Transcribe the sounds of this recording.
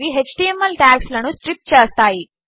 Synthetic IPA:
ʋiɦet͡ʃʈiemːɐlʈaːkslɐnusʈɾip̚ʈ̚t͡ʃeːst̪aːji

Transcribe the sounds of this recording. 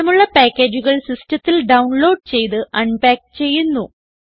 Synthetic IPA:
ɐmuɭːɐpaːkːeːd͡ʑuɣɐɭsistɐt̪ːilɖɐwnlo̞ːɖ̚t͡ɕe̞jt̪ɨʔɐɳbaːk̚t͡ɕe̞jːunːu

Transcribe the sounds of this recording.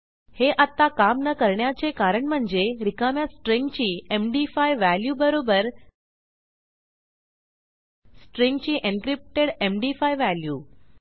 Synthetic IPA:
heʔat̪ːakamnəkəɾɳjat͡sekaɾəɳm̤əɳd͡zeɾikamjasʈɾiŋɡt͡ɕiːemɖifajʋæljubəɾobəɾ | sʈɾiŋɡt͡ɕiːʔenkɾip̚ʈeɽemɖifajʋæljuː

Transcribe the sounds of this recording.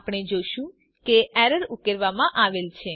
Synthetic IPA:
pɽ̃ed͡ʒoʃũ | keɛɾəɾukəɾʋamãʔaʋelt͡ʃʰe

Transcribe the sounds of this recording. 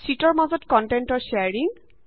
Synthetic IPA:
sitɔɹmazɔtkɔntɛntɔɹseaɹiŋ

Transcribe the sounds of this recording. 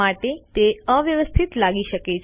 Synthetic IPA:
aʈet̪eəʋjəʋəst̪ʰit̪laɡiʃəket͡ʃʰ

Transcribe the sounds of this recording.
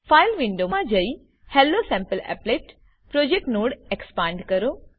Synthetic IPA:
faːɪlʋɪ̃ɳɖomãd͡ʒəi | hɛːlːosɛ̃mpəlɛ̰pleːʈ | pɾoːd͡ʒek̚ʈnoːɽekspãːɳɖkəɾoː

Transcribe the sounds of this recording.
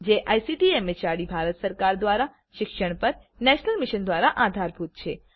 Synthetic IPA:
d͡ʒeʔajsiʈiemet͡ʃaɽibʱaɾət̪səɾkaɾd̪ʋaɾa | ʃɪkʃəɳpəɾ | nɛʃnəlmɪʃənd̪ʋaɾaʔad̪ʱaɾbʱut̪̚t͡ʃʰe

